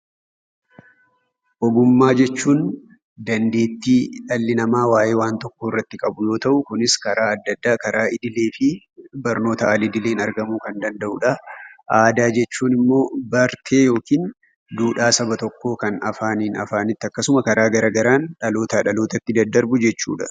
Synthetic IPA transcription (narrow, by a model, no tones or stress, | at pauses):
ʔɔɡʊmːaːd͡ʒɛt͡ʃːuːn | d̪ɐnd̪e̞ːt̪ːiːᶑɐlːɪnɐmaːwaːʔe̞ːwaːnt̪ɔkːoːɪrːɐt̪ːɪkʼɐbʊjo̞ːt̪ɐʔʊkʊnɪskɐɾaːɐd̪ːɐd̪ːaːkɐɾaːɪd̪ɪle̞ːfɪ | bɐɾno̞ːt̪ɐʔɐlɪd̪ɪleːnɐɾɡɐmuːkɐnd̪ɐnd̪ɐʔʊᶑɐʔaːd̪aːd͡ʒɛt͡ʃːuːnɪmːo̞ːbɐɾt̪ʰe̞ːjo̞ːkiːn | d̪uːᶑaːsɐbɐt̪ɔkːo̞ːkɐnɐfaːniːnɐ̰faːnɪt̪ːɪɐkːɐsʊmɐkɐɾaːɡɐɾaːɡɐɾaːnᶑɐlo̞ːt̪ɐᶑɐloːt̪ɐt̪ːɪd̪ɐd̪ɐɾbʊd͡ʒɛt͡ʃːṵːᶑɐ̥